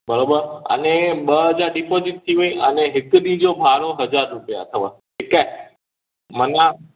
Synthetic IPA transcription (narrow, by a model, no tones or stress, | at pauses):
bəɾobəɾə̰neɓəəd͡ʒaɾɖipoziʈ̚t̪ʰiʋoĩəneɦɪknĩd͡ʒobʱaɾoɦəd͡ʒaɾːupja̰t̪ʰəʋa̰ | kʈikːaj | mənã